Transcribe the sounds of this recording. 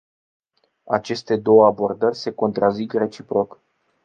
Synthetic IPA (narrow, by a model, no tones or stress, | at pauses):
at͡ʃe̞st̪e̞d̪o̞wəabo̞rd̪ərʲse̞ko̞nt̪ɾazikre̞t͡ʃipɾo̞k